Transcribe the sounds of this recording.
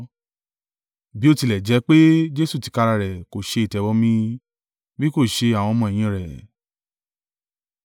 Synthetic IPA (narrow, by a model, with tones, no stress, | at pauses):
bi˨˦o˦˧ti˧lɛ˨d͡ʒɛ˨˦k͡pe˦d͡ʒe˦su˦˨ti̥˨˧ka˧ɾa˧ɾɛ˨ko˨ʃe˧i˨tɛ˨˧wɔ˧˦mĩ˧ | bi˦ko˦˨ʃe˧a˨w̃ɔ̃˧mɔ̃˧ɛ˨j̃ĩ˧˨ɾɛ˨